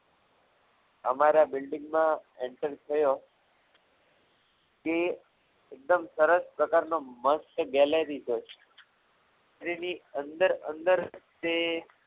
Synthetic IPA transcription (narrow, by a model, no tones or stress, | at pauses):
əmaɾabɪlɖĩŋɡmãeɳʈəɾt̪ʰəjo | ke | ek̚d̪əmsəɾəspɾəkaɾnoməst̪ɡɛləɾid͡ʒəʃe̥ | ɾiniənd̪əɾə̰nd̪əɾt̪e